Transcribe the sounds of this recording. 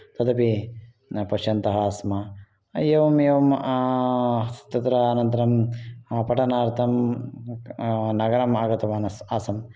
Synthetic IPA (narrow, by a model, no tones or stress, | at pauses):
t̪ɐd̪ɐpi | pɐʃjɐnt̪ɐɦɐaːsmɐ | eːʋɐmeːʋɐm | sɐ̥t̪ːɐt̪ɾɐaːnɐnt̪ɐɾɐmpɐʈɐnaːɾt̪ʰɐm | nɐɡɐɾɐmaːɡɐt̪ɐʋaːnɐsaːsɐm